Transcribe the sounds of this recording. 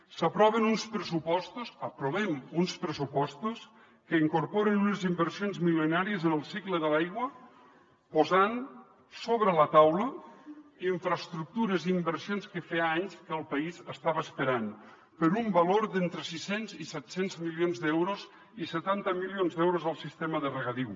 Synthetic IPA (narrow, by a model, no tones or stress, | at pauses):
səpɾɔβənunspɾəsupɔst̪usəpɾoβɛmunspɾəsupɔst̪us | kəiŋkuɾpɔɾənunəzimbəɾsionzmilənaɾiəzənəlˠsikləðəlajɣwə | pozan | soβɾələt̪awlə | iɱfɾəst̪ɾuk̚t̪uɾəziimbəɾsionskəfeaɲskəlˠpəizəst̪aβəːspəɾan | pəɾumbɐloɾd̪ent̪ɾəsisenzisɛt̪senzmilionzd̪ɛwɾoz | isət̪ant̪əmilionzd̪ɛwɾozəlˠsist̪eməðərəɣəðiw